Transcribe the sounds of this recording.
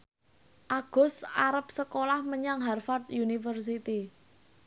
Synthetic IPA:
ʔaɡ̥ʊ̤saɾəp̚səkolahməɲaŋɦarfart̪junifərs̬it̪i

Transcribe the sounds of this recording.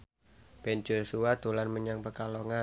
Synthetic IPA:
b̥ɛnd͡ʒosuad̪̥olanməɲaŋpəkalɔŋa

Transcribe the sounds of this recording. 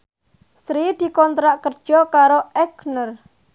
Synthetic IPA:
sɾid̪̥i̤kɔnt̪ɾaʔkərd̥ʒ̥ɔkaɾoɛɡnər

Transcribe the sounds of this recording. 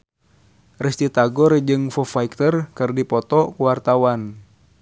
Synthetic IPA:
rist̪it̪aɡɔrd͡ʒɨŋfɔfaik̚t̪ərkɨrdipɔt̪ɔkuwart̪awan

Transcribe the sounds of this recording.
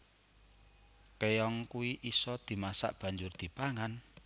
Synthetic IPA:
kejɔŋkuiʔisɔd̪̥i̤masa̰ʔb̥a̤ɲd͡ʒʊrd̪̥i̤paŋan

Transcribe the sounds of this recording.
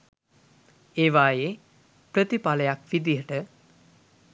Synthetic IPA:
eːʋaːje | pɾət̪ipaləjakʋid̪ijəʈə

